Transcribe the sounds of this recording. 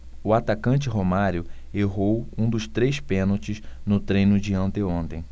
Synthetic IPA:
ʊat̪akɐ̃nt͡ʃɪɦomaɾjʊ | eɦowũd̪ʊst̪ɾejspẽnot͡ʃɪznʊt̪ɾẽjnʊd͡ʒɪɐ̃nt̪eõnt̪ẽj̃

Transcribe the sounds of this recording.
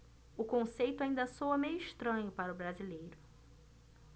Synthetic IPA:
ʊkõsejt̪ʊaĩnd̪ɐsowɐmejʊiʃt̪ɾɐ̃ɲʊpaɾʊbɾazilejɾʊ

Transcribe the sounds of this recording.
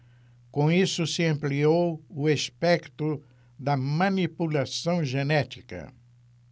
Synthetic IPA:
kõisʊsɪɐ̃mpliowʊespɛkt̪ʊ | d̪ɐmɐ̃nipulasɐ̃w̃ʒenɛt̪i̥kɐ̰

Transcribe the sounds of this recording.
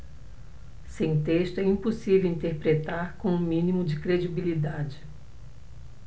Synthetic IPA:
sẽj̃t̪eʃt̪ʊɛĩposivewĩnt̪eɾpɾet̪aɾkõʊ̃mĩnimʊd͡ʒɪkɾed͡ʒibilid̪ad͡ʒɪ

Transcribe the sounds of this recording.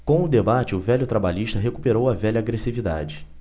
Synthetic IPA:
kõw̃ʊd̪ebat͡ʃɪʊvɛʎʊt̪ɾabaʎiʃt̪ɐɦeku̥peɾowɐvɛʎɐːɡɾesivid̪a̰d͡ʒɪ

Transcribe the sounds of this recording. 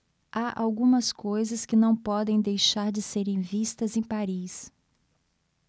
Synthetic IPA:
aʔa̰wɡũmɐskojzɐskɪnɐ̃w̃pɔd̪ẽj̃d̪ejʃaɾd͡ʒɪseɾẽj̃vist̪ɐzẽj̃paɾis

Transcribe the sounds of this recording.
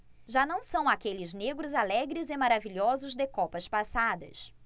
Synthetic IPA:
ʒanɐ̃w̃sɐ̃w̃akelɪzneɡɾʊzalɛɡɾɪzɪmaɾaviʎɔzʊzd̪ɪkɔpɐspasad̪ɐ̰s

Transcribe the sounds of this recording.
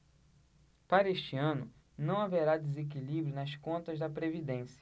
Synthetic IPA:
paɾɐeʃt͡ʃiɐ̃nʊ | nɐ̃w̃aveɾad̪ezek̬ilibɾjunɐskõnt̪ɐzd̪ɐpɾevid̪ẽsjɐ

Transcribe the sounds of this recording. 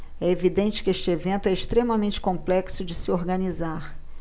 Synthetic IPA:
ɛevid̪ẽnt͡ʃɪ̥kɪeʃt͡ʃɪevẽnt̪ʊɛɪʃt̪ɾẽmɐmẽnt͡ʃɪ̥kõplɛksʊd͡ʒɪsɪoɾɡɐnizaɾ

